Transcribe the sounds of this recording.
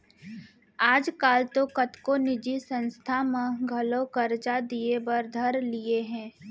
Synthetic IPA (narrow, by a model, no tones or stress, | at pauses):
aːd͡ʒkaːlt̪okɐt̪konɪd͡ʒisə̃nst̪ʰamẽɡʱɐlõkɐɾd͡ʒad̪iebəɾd̪ʱɐɾlieɦɛ̃ː